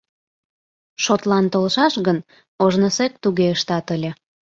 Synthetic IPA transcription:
ʃot̪lɑnt̪olʃɑʃɣən | oʒnəsek̚t̪uɣeəʃt̪ɑt̪əlʲe

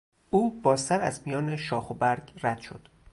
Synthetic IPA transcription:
ʔuːbɒːzt̪æɾæ̰zmijɒːneʃɒːxobæɾɟræd̪̥ʃo̞̰d̪̥

